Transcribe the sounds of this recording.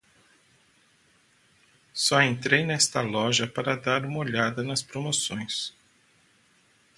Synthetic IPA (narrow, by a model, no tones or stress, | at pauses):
sɔẽnt̪ɾejnɛst̪ɐlɔʒɐpaɾɐd̪aɾũmɐoʎad̪ɐnɐspɾomosõj̃s